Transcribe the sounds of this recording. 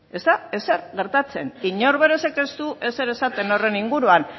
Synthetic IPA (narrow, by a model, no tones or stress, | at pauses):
e̞st̪ae̞se̞ɾɣe̞ɾt̪at͡se̞niɲo̞ɾβe̞ɾe̞se̞ke̞st̪uʔe̞se̞ɾe̞sat̪e̞no̞re̞niŋɡuɾuan